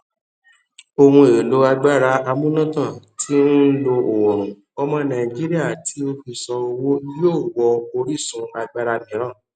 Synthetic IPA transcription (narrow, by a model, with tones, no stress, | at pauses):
o˧hũ˧e˨lo˨˦a˧ɡ͡ba˦ɾa˧a˧mũ˦nã˦tã˦˨tʰi˨˦n̩˦lo˧ʔo˨wɔ˨ɾ̃ũ˨ | ɔ˧mɔ̃˧nã˨i˨d͡ʒi˦ɾi˦a˦˨tʰi˨˦o˧fi˧sɔ̃˧o˧wo˦joː˦˨wɔ˧o˧ɾi˦˨sũ˨˦a˧ɡ͡ba˦ɾa˧mĩ˨˦ɾ̃ã˦˨